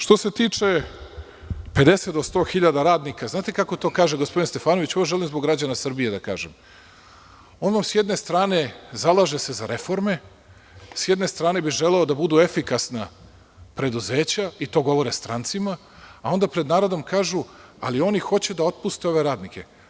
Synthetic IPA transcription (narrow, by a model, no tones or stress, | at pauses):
ʃt̪o̞se̞t̪iːt͡ʂe̞ | pe̞d̪e̞set̪d̪ost̪o̞ːxiʎad̪aɾaːd̪nikaznaːt̪e̞kako̞t̪o̞ːkaːʒeɡospo̞d̪inst̪e̞faːnoʋit͡ɕoʋoʒe̞limzboɡɾad͡ʑanasr̩bijed̪aka̰ːʒḛm | o̞ːnʋamsjed̪ne̞st̪ɾaːne̞zalˠaːʒese̞zaɾe̞fo̞ɾme̞ | sjed̪ne̞st̪ɾaːne̞biʒeleod̪abud̪uefikasna | pɾe̞d̪uze̞ːt͡ɕait̪o̞ːɡo̞ʋo̞ɾest̪ɾa̰nt̪sima | ao̞nd̪apɾe̞d̪naːɾo̞d̪o̞mkaːʒu | a̰lio̞nixo̞t͡ɕed̪ao̞t̪̚pust̪eo̞ʋe̞ɾaːd̪nikʰe̞̰